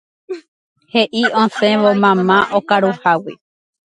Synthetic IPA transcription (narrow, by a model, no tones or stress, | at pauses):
he̞ʔiõsẽʋomãmãʔokaɾuhawi